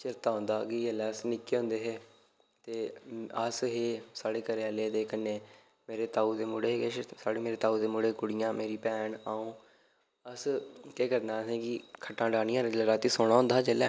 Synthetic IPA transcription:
t͡ʃɪɾt̪aːɦõːnd̪aːkiəlɛːsnɪkːeːõːnd̪eːɦeː | t̪eːəsɦeːsaːɽeːkəɾeːleːd̪eːkənːẽː | meːɾeːt̪aːuːd̪eːmʊɽeːeʃsaːɽeːmeːɾeːt̪aːuːd̪eːmʊɽeːkʊɽɪjãːmeːɾiːpɛːɳaːũː | əskeːkəɾnaːsẽːkɪkʰəʈːãːɖaːnĩjãːɾəd͡ʒlɾaːt̪iːsoːɽ̃aːɦõnd̪aːd͡ʒeːlɛː

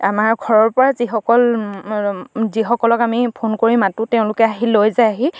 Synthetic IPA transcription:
a̰maɹɡʱɔɹɔɹpɔɹazixɔkɔl | zixɔkɔlɔkamipʰonkoɹimatutɛʊ̃lʊkɛaɦilojzajaɦi

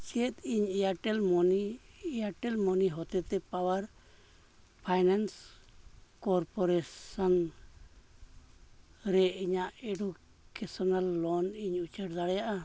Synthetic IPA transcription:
t͡ʃiet̪iɲɛjaʈɛlmɔnijaʈɛlmɔniɦɔt̪ɛt̪ɛpawaɾ | pʰajnans | kɔɾpɔɾɛsan | ɾɛiɲaʔɛɖu | kɛsɔnalːɔniɲut͡ʃəʈd̪aɽɛjaʔa

